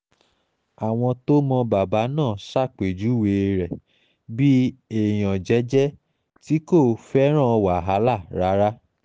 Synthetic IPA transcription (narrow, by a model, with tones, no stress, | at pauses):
a˨w̃ɔ̃˧to˦mɔ̃˧ba˨ba˨˦nãː˦˨sa˦˨k͡pe˨d͡ʒu˨˦we˧ɾɛ˨ | bi˦e˦˨j̃ɔ̃˨d͡ʒɛ˨˦d͡ʒɛ˦ | ti˦ko˦˨fɛ˦ɾ̃ã˦˨˧wa˨ɦa˨˦la˦˨ɾa˨˦ɾa˦